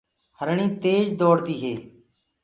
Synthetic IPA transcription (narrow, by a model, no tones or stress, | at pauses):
həɾɳĩːt̪eːd͡ʒd̪oːɽt̪iːɦeː